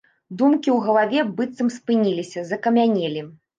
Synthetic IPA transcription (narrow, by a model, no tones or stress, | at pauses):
d̪umkʲiwɣɐlˠavʲɛbɨt̪sɐmspɨnʲilʲisʲɐzɐkɐmʲanʲɛlʲi